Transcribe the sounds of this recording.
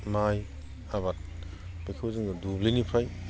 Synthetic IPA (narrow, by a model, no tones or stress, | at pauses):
maj | aβat̚ | b̥ikʰawzɯŋɡadublinipʰaj